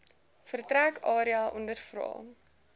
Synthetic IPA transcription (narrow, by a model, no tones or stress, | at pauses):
fərtɾækɑːɾiɐʔɔndərfrɑ̰ː